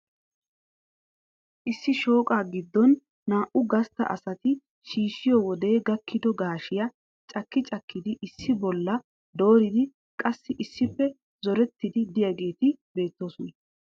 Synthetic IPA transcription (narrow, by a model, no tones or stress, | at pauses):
ʔɪsːɪʃo̞ːkʼaːɡɪd̪ːɔnː | aːʔʊɡɐst̪ːɐ̰ʔɐ̰sɐt̪ɪ | ʃiːʃɪjɔwɔd̪e̞ːɡɐkːɪd̪ɔɡaːʃɪjɐ | t͡ʃʼɐkːɪt͡ʃʼɐkːɪd̪ɪʔɪsːɪbɔlːɐ | d̪o̞ːɾɪd̪ɪ | kʼɐsːɪʔɪsːɪpːɛ | zɔɾɛt̪ːɪd̪ɪd̪ɪjɐɡe̞ːt̪ɪbe̞ːt̪ːoːsʊnɛ